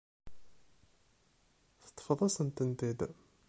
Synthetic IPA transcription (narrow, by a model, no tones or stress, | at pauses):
θə̥t̪ˤːə̥fəðˤɑsənt̪ənt̪id̪